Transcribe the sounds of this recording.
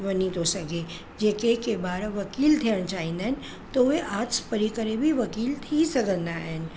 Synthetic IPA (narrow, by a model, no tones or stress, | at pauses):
ʋənit̪osəɡe | d͡ʒeːkekebaːɾʋɐkiːlt̪ʰiəɽ̃t͡ʃaːɦĩnd̪aɦɛn | t̪oeʔaːt̪spəɾikəɾebʱiʋɐkiːlt̪ʰisəɡə̃nd̪aɦɛn